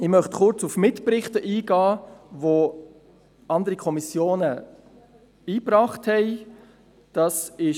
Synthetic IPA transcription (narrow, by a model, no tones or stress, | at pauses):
ɪmœχtχʊɾt͡sufmɪtprɪχtəʔiːɡɑːvo | ɑndəɾikʰɔmisjoːnə | iːbrɑːχthɛɪ | d̥ɑsɪ